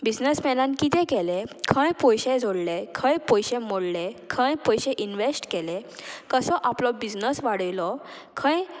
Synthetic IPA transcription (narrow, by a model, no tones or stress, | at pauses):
bid͡znəsmɛnãnkit̪ʰɛ̃kɛlẽkʰə̃jpɔjɕed͡zʱoɽlekʰə̃jpɔjɕẽmoɽlekʰə̃jpɔjɕẽʔinʋesʈkɛlekəsɔʔaplɔbid͡znəsʋaɽəjlɔ | kʰə̃j